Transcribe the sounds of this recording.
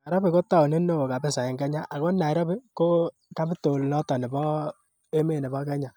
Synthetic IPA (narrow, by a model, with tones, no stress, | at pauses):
a˨ɾɔ˦bɪ˨ko˦ta˦o˨nɪ˦no˦o˨ka˨bɪ˦sa˨ɪ˨ŋkɛ˦ɲa˦ʔa˨ko˦na˨ɛ˨ɾɔ˦bi˦ko˦ | ka˦bi˦to˨lnɔ˦tɔ˨nɪ˨bɔ˦ | e˦me˦˨nɛ˨bɔ˦kɛ˦ɲa˨